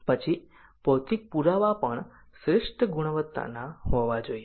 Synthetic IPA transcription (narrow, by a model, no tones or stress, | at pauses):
pət͡ʃʰi | pɔwt̪ik̚puɾaʋapəɳ | sɾɪʂʈəɡuɳ̃ʋət̪ːa̰naɦɔʋad͡ʒoie